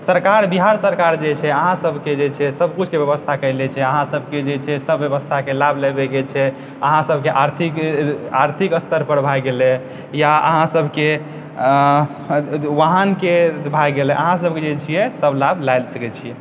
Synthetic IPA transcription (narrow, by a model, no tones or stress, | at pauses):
səɾkaɾbiɦaɾsəɾkaɾd͡ʒet͡ʃʰɛəɦãsəbʱked͡ʒet͡ʃʰɛsəbkut͡ʃʰkebjəbəst̪ʰakəɪlɛt͡ʃʰɛəɦãsəbʱked͡ʒet͡ʃʰɛsəbjəβəst̪ʰakelablɛbɛɡɛt͡ʃʰɛ | əɦãsəbʱkeʔaɾt̪ʰikaɾt̪ʰikəst̪ʰəɾpəɾbʱajɡelɛ | jaə̰ɦãsəbʱke | ʋaɦənkebʱajɡelɛʔə̰ɦãs̬əbʱked͡ʒet͡ʃʰijɛsəblabʱlajlsəkɛt͡ʃʰijɛ